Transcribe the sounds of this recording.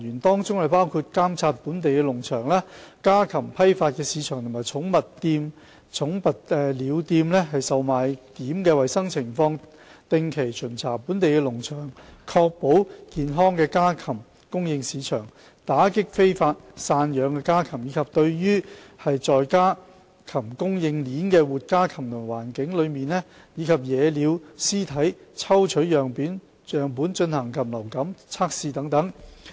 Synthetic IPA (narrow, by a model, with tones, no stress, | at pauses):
yː˨˩nt̪ɔː˥ŋt͡sʊ˥ŋhɐ˨˩jpaː˥wkʰuː˧t̚kaː˥mt͡sʰaː˧t̚puː˨˥nt̪e˨jkɛː˧lʊ˨˩ŋt͡ʃʰœː˨˩ŋlɛː˥kaː˥kʰɐ˨˩mpʰɐ˥jfaː˧t̚kɛː˧siː˨˧˥t͡ʃʰœː˨˩ŋt̪ʰʊ˨˩maː˨jt͡sʰʊ˨˥ŋmɐ˨tt̪iː˧m | t͡sʰʊ˨˥ŋpɐ˨t̚ɛː˧liː˨˧wt̪iː˧mlɛ˥ɦɐ˨jsɐ˨wmaː˨jt̪iː˨˥mkɛː˧wɐ˨jsɐ˥ŋt͡sʰɪ˨˩ŋfɔː˧ŋ | t̪ɪ˨ŋkʰe˨˩jt͡sʰɵ˨˩nt͡sʰaː˨˩puː˨˥nt̪e˨jkɛː˧lʊ˨˩ŋt͡ʃʰœː˨˩ŋkʰɔː˧k̚po˨˥wkiː˨nɦɔː˥ŋkɛː˧kaː˥kʰɐ˨˩m | kʊ˥ŋjɪ˧ŋsiː˨˧t͡ʃʰœː˨˩ŋ | t̪aː˨˥kɪ˥k̚fe˥jfaː˧t̚saː˧njœː˨˧˥ŋkɛː˧kaː˥kʰɐ˨˩mjiː˨˧kʰɐ˨p̚t̪ɵ˧ɥjyː˥hɐ˨jt͡sɔː˨jkaː˥ | kʰɐ˨˩mkʊ˥ŋjɪ˧ŋliː˨˥nkɛː˧wuː˨t̚kaː˥kʰɐ˨˩mt̪ʰʊ˨˩waː˨˩nkɪ˨˥ŋlɵ˨˧ɥmiː˨˧nlɛ˥ | jiː˨˧kʰɐ˨p̚jɛː˨˧liː˨˧wsiː˥t̪ʰɐ˨˥jt͡sʰɐ˥wt͡ʃʰɵ˨˥ɥjœː˨˩ŋpiː˨˥n | œː˨ŋpuː˨˥nt͡ʃɵ˧nhɐ˨˩ŋkʰɐ˨˩mlɐ˨˩wkɐ˨˥mt͡sʰaː˥k̚siː˧t̪ɐ˨˥ŋt̪ɐ˨˥ŋ